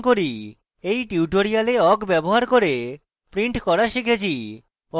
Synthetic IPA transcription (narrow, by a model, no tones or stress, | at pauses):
koɾi | ejʈiuʈoɾialeɔkbɛboɦaɾkoɾe | pɾiɳʈkɔɾaʃikʰet͡ɕʰi | ɔ